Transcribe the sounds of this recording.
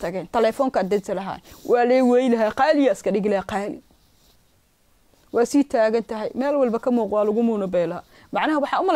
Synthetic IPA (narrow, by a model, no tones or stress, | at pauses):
t̪ʰɐɣɛːnt̪ʰɐlɛːfɔːŋkʰɐd̪ɐsɐlɐɦa̰wʔɑːlɛːwɛjlɐɦaːqɑːlɪjɐɪskʰɐɗɪɡlɐhɛqɑːlɪ̰ | wɑːsiːt̪ʰaːɣɐnt̪ʰɐɦɛjmɛːlwɑlbɐkʰɐmuːqwɑːlʊɣʊmuːnɐbɛːla | mɑʕnɐɦɐwɑħɑːʊmɐl